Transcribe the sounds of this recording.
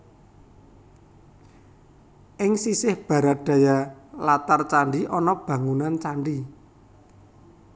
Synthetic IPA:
ʔɪŋsisɪhb̥ä̤ɾat̪̚d̪̥ä̤jalat̪art͡ʃaɳɖiʔɔnɔb̥ä̤ŋunant͡ʃaɳɖi

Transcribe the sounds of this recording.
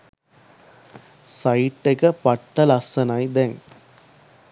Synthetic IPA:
sɐɪʈːɐkɐpɐʈːɐlɐsɐnɐjd̪ɛŋ

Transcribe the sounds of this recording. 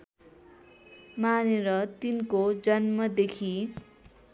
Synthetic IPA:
maneɾʌt̪inkod͡zʌnmʌd̪ekʰi

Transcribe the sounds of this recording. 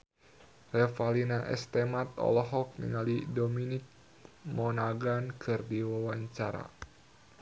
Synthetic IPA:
rɛfalinaʔɛ̰st̪ɛmat̪̚ɔ̰lɔɦɔk̚nḭŋalidominik̚ | mɔnaɡankʰɨrdiwawaɲt͡ʃaɾa̰

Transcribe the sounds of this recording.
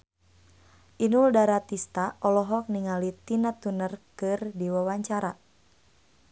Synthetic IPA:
ʔinuldaɾat̪ist̪aɔlɔɦɔk̚niŋalit̪inat̪unərkɨrdiwawaɲt͡ʃaɾa

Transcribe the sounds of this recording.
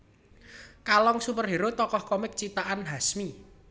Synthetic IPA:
kalɔŋsupərɦiɾʊt̪ːɔkɔhkɔmɪk̚t͡ʃit̪aʔanɦasmi

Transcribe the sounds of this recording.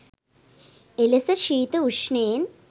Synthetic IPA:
elɐsɐʃiːt̪ɨuʂneːn

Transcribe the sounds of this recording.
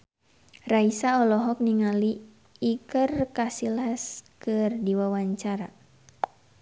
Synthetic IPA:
raisaɔlɔɦɔk̚niŋaliː | kərkasilɦaskɨrdiwawaɲt͡ʃaɾa̰

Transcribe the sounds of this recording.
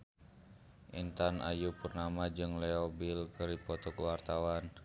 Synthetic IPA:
ʔint̪anʔa̰jupurnamad͡ʒɨŋlɛɔbilkɨripɔt̪ɔkəwart̪awan

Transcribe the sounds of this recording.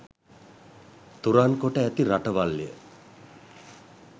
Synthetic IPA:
t̪uɾaːnkoʈəæt̪iɾaʈəʋalːijə̰

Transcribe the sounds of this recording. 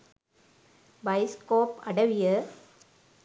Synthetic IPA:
bɐɪskoːpɐɽɐʋɪjɐ

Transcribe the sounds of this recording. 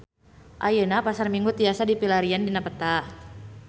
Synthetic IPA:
ʔajənapasarmiŋɡut̪iasadipilaɾiandinapət̪a

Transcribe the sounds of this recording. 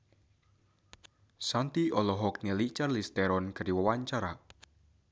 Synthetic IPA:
sant̪iɔlɔɦɔk̚nilit͡ʃarlist̪ɛɾɔnɡ̥a̤ɾiwəwaɲt͡ʃaɾa

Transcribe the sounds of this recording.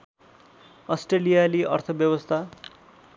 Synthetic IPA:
ʌsʈrelijaliʔʌ̰rt̪ʰʌbjʌbʌst̪ʰa

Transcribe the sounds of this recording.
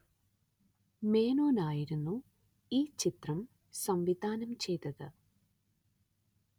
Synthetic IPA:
meːnoːnaːjiɾunːu | iːt͡ɕit̪rɐm | sɐmʋid̪ʱaːnɐmt͡ɕe̞jt̪ɐðɨ

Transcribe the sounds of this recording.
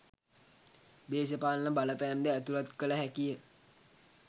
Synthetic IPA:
d̪eːs̬əpaːnləbalapɛːmd̪ɛət̪uɾat̪kələɦɛkijə

